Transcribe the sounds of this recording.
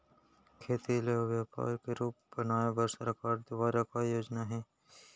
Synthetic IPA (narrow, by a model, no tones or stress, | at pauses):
kʰeːt̪ileʋjaːpa̰ːɾkeɾuːp̚bɐnaːebəɾsɾɐkaːɖd̪obaːɾakajoːd͡ʒnaɦɛː